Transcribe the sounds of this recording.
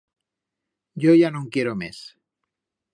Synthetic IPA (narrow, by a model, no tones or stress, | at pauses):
ɟ͡ʝo̞ʝanõŋkje̞ɾo̞mes